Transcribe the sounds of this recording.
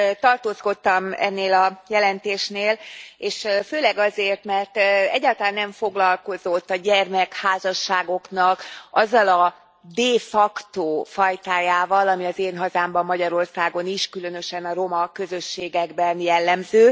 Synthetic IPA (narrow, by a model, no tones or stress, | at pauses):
t̪ɒrt̪oːsko̞t̪ːɒmɛ̰nːeːlɒjɛlɛnt̪eːʃneːleːʃføːlɛɡɒzeːrt̪mɛrt̪ɛɟːaːlt̪ɒlaːnːɛɱfo̞ɡlɒlko̞zo̞t̪ːɒɟɛrmɛkhaːzɒʃːaːɡo̞knɒkɒzːɒlɒ | d̪eːfɒkt̪oːfɒjt̪aːjaːvɒlɒmiɒzeːnɦɒzaːmbɒmːɒɟɒɾo̞rsaːɡo̞niʃkylø̞n̪ø̞ʃɛnɒɾo̞mɒkø̞zø̞ʃːeːɡɛɡbɛnjɛlːɛmzøː